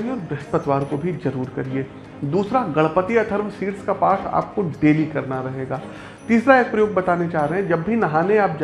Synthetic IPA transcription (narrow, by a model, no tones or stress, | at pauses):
iɔːɾbɾɐspət̪ʋaːɾkobʱizɐɾuːɾkɐɾieː | d̪uːsɾaɡɐɭpət̪iɐt̪ʰəɾmsiːʈskapaːʈʰa̰ːp̚koɖeːlikɐɾnaɾɐɦeːɡaː | t̪iːsɾaeːk̚pɾɐjoːɡ̚bɐt̪aːned͡ʒaːɦɾɐɦɛ̃d͡ʒɐbːʱinɐɦaːneaːp̚d͡ʒ